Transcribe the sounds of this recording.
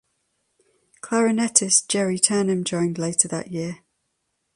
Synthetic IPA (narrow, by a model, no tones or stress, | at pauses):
kʰl̥aɹənɛtʰɪsd̥ʒ̥ɛɹitʰɜːnə̃md͡ʒɔ̃ɪ̃ndleɪtʰəðə̰ʔjɪə